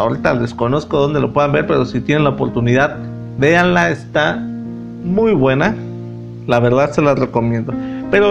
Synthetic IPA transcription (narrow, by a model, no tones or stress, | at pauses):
oɾet̪aðe̞sko̞no̞skoðo̞nd̪e̞lopwe̞ðambe̞ɾpe̞ɾosit̪je̞nenlaopo̞ɾt̪uniðað | be̞anlaest̪a | mujβwe̞na | laβe̞ɾðaðse̞lare̞ko̞mje̞nd̪o̞pe̞ɾo